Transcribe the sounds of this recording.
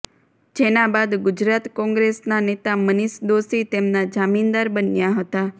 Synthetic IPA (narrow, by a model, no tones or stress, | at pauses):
d͡ʒenabad̪ɡʊd͡ʒɾat̪kɔ̃ŋɡɾesnanet̪aməniʃd̪osit̪emnad͡ʒamind̪aɾbənjaɦət̪a